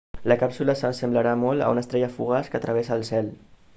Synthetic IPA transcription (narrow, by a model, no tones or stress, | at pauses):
ləkapsuləsənsəmbləɾamɔlˠə̰ṵnəst̪ɾɛʎəfuɣaskət̪ɾəβɛsəːlˠsɛl